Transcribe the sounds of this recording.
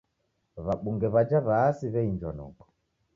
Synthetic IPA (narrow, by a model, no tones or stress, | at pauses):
βaɓuŋɡɛβad͡ʒaβaːsiβɛind͡ʒwa̰nɔ̰kɔ̥